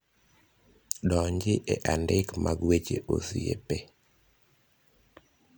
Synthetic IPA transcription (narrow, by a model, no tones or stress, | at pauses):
dɔɲd͡ʒɪʔeʔandɪkmʔaɡwet͡ʃeʔosijḛpe